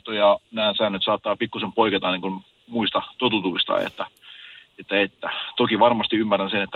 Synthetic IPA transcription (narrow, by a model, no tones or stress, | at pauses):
t̪ojɑnæːnsæːnːøt̪sɑːt̪ːɑːpikːusempoiket̪ɑniːŋkun | muist̪ɑt̪ot̪ut̪uist̪ɑ̰jḛt̪ːæ | et̪ːæet̪ːæt̪okiʋɑrmɑst̪iymːærænsenet̪ːæ